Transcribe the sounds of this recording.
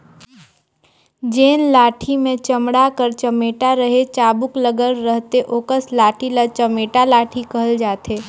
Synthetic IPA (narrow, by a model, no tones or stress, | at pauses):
d͡ʒeːnlaːʈʰimẽt͡ʃəmɽakəɾt͡ʃəmeːʈaɾəɦet͡ʃaːbʊkləɡəlɾəɦt̪eʔoːkəslaːʈʰilat͡ʃəmeːʈalaːʈʰikəɦəld͡ʒaːt̪eː